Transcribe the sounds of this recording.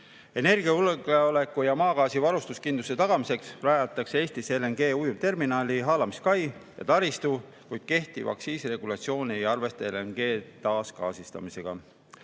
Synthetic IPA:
e̞ne̞rɡiɑulɡeole̞kːˑujɑmɑːɡɑːsivɑɾust̪uskind̪uset̪ɑɡ̥ɑmise̞ksræːjɑt̪ːˑɑksee̞ːst̪iselenɡ̥e̞ːujumt̪e̞rminɑːlʲiɦɑːlɑmiskɑjjɑ̰t̪ɑɾist̪u | kujd̪̥̚ke̞ht̪ivɑ̰ksiːsre̞ɡ̥ulɑt̪sio̞ːnʲiejɑrve̞st̪eelenɡ̥e̞ːt̪ɑːskɑ̰ːsist̪ɑ̰mise̞ɡ̥ɑ̰

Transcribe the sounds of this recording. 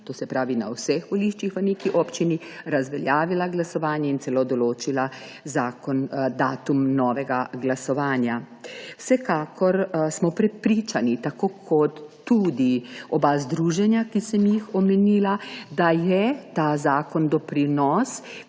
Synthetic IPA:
t̪oːsɛpɾaːʋina̰wsɛxʋɔliːʃt͡ʃixʋanekiʔɔpt͡ʃini | ɾazʋɛljaːʋilaɡlasɔʋaːnjɛint̪sɛlod̪ɔloːt͡ʃilazaːkɔnd̪aːt̪umnɔːʋɛɡaɡlasɔʋaːnja | wsɛkaːkʰɔɾsmɔpɾɛpɾiːt͡ʃanit̪akoːkʰɔt̪ː | ud̪iɔbazd̪ɾuːʒɛnjakisɛmjixɔmɛniːlad̪ajɛt̪aːzaːkɔnd̪ɔpɾinɔːs

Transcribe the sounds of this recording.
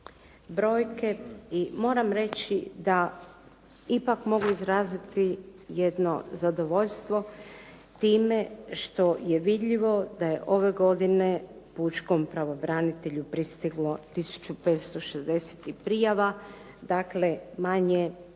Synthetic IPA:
bɾo̞ːjke̞imo̞ːɾamɾe̞t͡ɕid̪a | ipakmo̞ɡuizɾaːzit̪ijed̪no̞̰zad̪o̞ʋo̞ʎst̪ʋo̞ | t̪iːme̞ʃt̪o̞je̞ʋid̪ʎiʋo̞d̪aje̞ʔo̞ʋe̞ɡo̞d̪ine̞ | puːt͡ʃko̞mpɾaʋobɾanit̪e̞ʎupɾist̪iɡlo̞t̪isu̥t͡ʃupeːt̪st̪o̞ʃezd̪e̞set̪ipɾijaʋa | d̪akle̞maɲe

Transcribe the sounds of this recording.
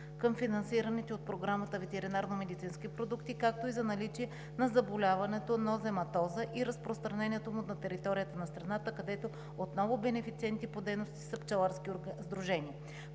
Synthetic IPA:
kɤmfinɐnsiɾənit̪ɛot̪̚pɾoɡɾamət̪əvɛt̪ɛɾinaɾnomɛd̪it̪sinskipɾod̪ukt̪ikak̚t̪oizɐnɐlit͡ʃiɛ | nɐzɐbolʲavɐnɛt̪onozɛmɐt̪ɔzəʔiɾɐspɾost̪ɾɐnɛniɛt̪omʊnɐt̪ɛɾit̪ɔɾijət̪ənɐst̪ɾɐnat̪əkɐd̪ɛt̪o | ot̪nɔvʊbɛnɛfit̪siɛnt̪ipod̪ɛjnost̪i̥sɐpt͡ʃɐlˠaɾsk̟izd̪ɾuʒɛniə

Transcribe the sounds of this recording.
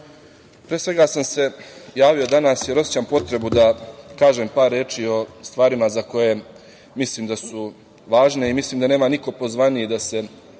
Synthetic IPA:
pɾesʋe̞ɡasamse̞jaːʋio̞d̪anaːsjeɾo̞si̥t͡ɕampo̞t̪ɾe̞bud̪akaːʒempaːɾːeːt͡ʃio̞st̪ʋaːɾimazako̞je̞ | misliːmd̪asu | ʋaːʒne̞imisliːmd̪ane̞ːmaniko̞po̞zʋanijed̪ase̞

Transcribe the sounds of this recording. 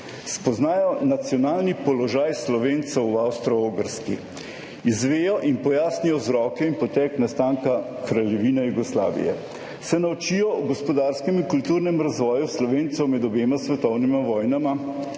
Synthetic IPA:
spɔznaːjɔnat̪sjɔnaːlnipɔlɔʒaːjslɔʋeːnt̪sɛwawst̪ɾɔoɡəɾski | izʋeːjɔʔinpɔjaːsnijɔzɾɔːkɛinpɔt̪ɛːknast̪aːŋka | kɾalʲjɛʋiːnɛjuɡɔsla̰ːʋḭjɛ̰ | sɛnawt͡ʃijɔuɡɔspɔd̪aːɾskɛmiŋkult̪uːɾnɛmɾazʋɔːjuslɔʋeːnt̪sɛwmɛd̪ɔbeːmasʋɛt̪ɔwnimaʋɔːjnama

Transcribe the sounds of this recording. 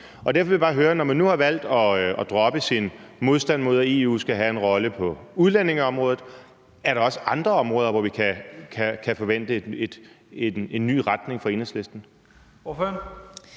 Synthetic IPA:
ɒ̽d̥æɐfɒeʋjibɑ̈ːɦøːɐnɒmænːuhɑ̈ʋæl̰d̥ɒ̽ɒ̽d̥ʁɒ̽b̥əsinmo̝ðˠsd̥ænmo̝ðˠe̝ːṵːsɡ̥æɦæe̝nʁɒ̽ləpʰɒ̽uð̞ˠlene̝ŋɐɒ̽mʁɔ̽ːðð̩ˠ | æɐɾ̥ɑ̈ɒ̽səʔɑ̈nd̥ʁɐɒ̽mʁɔːð̞ˠɐʋɒʋikʰækʰækʰæfɒ̽ʋen̰d̥əed̥ | ee̝nːy̰ːʁad̥ne̝ŋfɒ̽e̝ːnhesle̝sd̥n̩ | føn

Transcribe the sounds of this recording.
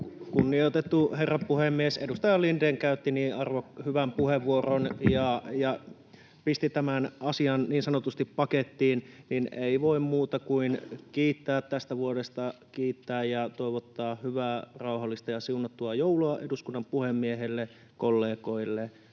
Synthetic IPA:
kunːiot̪et̪ːuherːɑpuhemːiesedust̪ɑjɑlindeŋkæyt̪ːiniːɑrʋohyʋæmpuheʋːuoronjɑjɑ | pist̪it̪æmænʔɑsiɑnniːnsɑnot̪ust̪ippɑket̪ːiːnnineiʋoimmuːt̪ɑkuinkiːt̪ːæːt̪t̪ːæst̪æʋuodest̪ɑkiːt̪ːæːjjɑt̪oiʋot̪ːɑːhyʋæːrɑuhɑlːist̪ɑjɑsiunɑt̪ːuɑjouluɑʔeduskunːɑmpuhemːieɦelːe | kolːeːkoilːe

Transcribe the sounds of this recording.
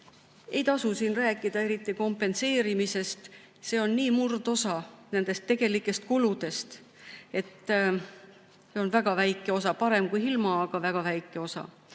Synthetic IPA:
e̞jt̪ɑsusiːnræːkːˑid̪̥ɑe̞ɾit̪ːˑiko̞mpːˑe̞nse̞ːɾimise̞st̪ | se̞ːo̞nːiːmurd̪̥o̞sɑne̞nd̪̥e̞st̪ːe̞ɡ̥e̞likːˑe̞st̪̚kulud̪̥e̞st̪ | e̞t̪ː | eonvæɡ̥ɑvæjkːˑeo̞sɑpɑɾe̞mkujilmɑːɡ̥ɑvæɡ̥ɑvæjkˑːe̞o̞sɑ̰

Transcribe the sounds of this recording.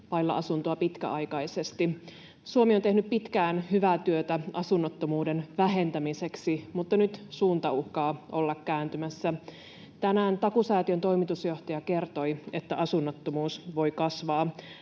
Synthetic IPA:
pɑjlːɑ̰ʔɑsunt̪oɑpit̪kæ̰ʔɑjkɑjsest̪i | suomiont̪e̞hnyppit̪kæːnhyʋæt̪yøt̪æɑsunːot̪ːomuːdenʋæɦe̞nt̪æmiseksimut̪ːɑnyt̪suːnt̪ɑuhkɑːʔo̞lːɑkːæːnt̪ymæsːæ | t̪ænæːnt̪ɑkusæːt̪iønt̪o̞jmit̪usjo̞ht̪ɑjɑke̞rt̪o̞jet̪ːæʔɑsunːɑt̪ːomuːsʋo̞jkɑsʋɑː

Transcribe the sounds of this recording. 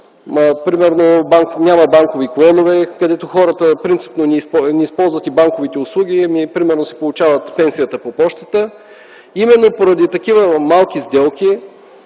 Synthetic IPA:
pɾimɛɾnobaŋknʲamɐbaŋkoviklˠɔnovɛkɐd̪ɛt̪oxɔɾət̪əpɾint̪si̥pnonisnʲiːspɔlˠzvət̪ibaŋkovit̪ɛʊslˠuɡ̟ʲimipɾimɛɾnosɛ̥polˠʊt͡ʃavɐt̪pɛnsijət̪əpopɔʃt̪ət̪ə | imɛnːopoɾɐd̪it̪ɐkivəmalˠk̟izd̪ɛlˠkʲi

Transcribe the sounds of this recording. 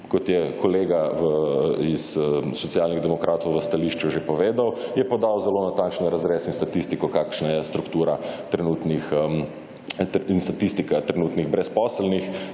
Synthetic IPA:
kɔt̪jɛkʰɔleːɡaʋəisːɔt̪sijaːlniɣd̪ɛmɔkɾʔaːt̪ɔwʋəst̪aliʃt͡ʃuʒepɔʋeːd̪awjɛpɔd̪awzɛlonat̪aːnt͡ʃnɔɾazɾeːsinst̪at̪ist̪ikɔkaːkʃnajɛst̪ɾukt̪uːɾat̪ɾɛnuːt̪nix | inst̪at̪ist̪ikat̪ɾɛnuːt̪niɣbɾɛspɔːslnix

